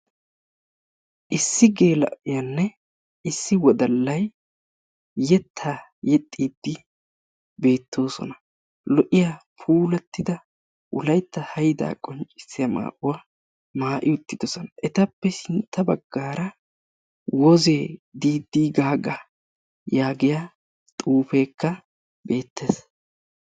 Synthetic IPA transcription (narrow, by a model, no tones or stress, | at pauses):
ʔɪsːɪɡe̞ːlɐ̰ʔɪjɐnːɛ | ɪsːɪwɔd̪ɐlːɐj | ɛt̪ʰːaː | jɛt̪ʼːiːd̪ːɪ | be̞ːt̪ːo̞ːsɔ̰nɐ | lɔʔɪjapʰuːlɛt̪ːɪd̪ɐ | ʔʊlɐjt̪ːɐhɐjd̪a̰ːkʼɔnt͡ʃʼɪ̥sːɪjɐma̰ːʔʊwa | maːʔɪʊt̪ːɪd̪ɔsɔnɐʔɛt̪ɐpːɛsɪnt̪ːɐbɐɡːaːɾɐ | wɔzeːd̪iːd̪ːiːɡaːɡɐ | jaːɡɪja | t̪ʼuːfe̞ːkːɐ | be̞ːt̪ːeːs